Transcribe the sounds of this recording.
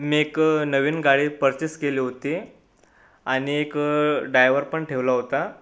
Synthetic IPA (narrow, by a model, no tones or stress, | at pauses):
meknəʋiːnɡaɽiːpəɾt͡ɕeskeleɦot̪e | aɽ̃iekɖajʋəɾpəɳʈʰeʋlaɦot̪a